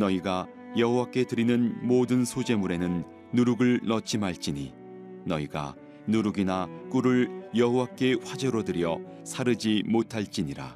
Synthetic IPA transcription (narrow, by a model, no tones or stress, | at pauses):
nʌiɡa | jʌɦowak͈e̞tɯɾinɯnmodɯnsʰod͡ʑe̞muɾe̞nɯnː | uɾuɡɯɭnʌt͡ɕʰimɦaɭt͡ɕ͈iɲḭ | nʌiɡa̰ | nuɾuɡinak͈uɾɯɭjʌɦowak͈e̞ɸwad͡ʑʌɾodɯɾjʌ | sʰaɾɯd͡ʑimotʰaɭt͡ɕ͈iɲiɾa̰